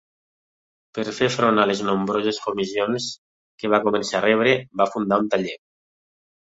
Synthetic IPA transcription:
peɾfefɾonaleznõmbɾozeskomizions | keβ̞akomensarɛβɾebafund̪aunt̪aʎe

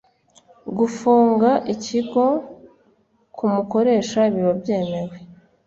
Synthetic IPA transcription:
ɡufuːŋɡaʔiciɡo̞ | kʰumuko̞ɾe̞ːʃaiβiβobje̞ːme̞ɾwe̞

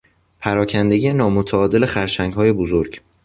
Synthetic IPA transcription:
pʰæɾɒːcʰænd̪e̞ɡijenɒːmot̪ʰæɒːd̪e̞le̞xæɾʃæŋɡhɒːje̞bozoɾɡ

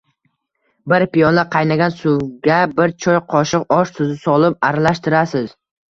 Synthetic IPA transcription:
bɪɾpijɒnlaqʰɑjnaɡʲansʊwɡʲabɪɾt͡ʃʰɒjqʰɒʃɪqɒʃt̪ʰʊzɪsɒlˠɪp̚aɾalaʃt̪ɪɾasɪz̥

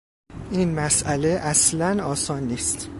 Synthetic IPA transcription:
iːnmæsʔæle̞ʔæslænɒːsɒːnːiːst̪

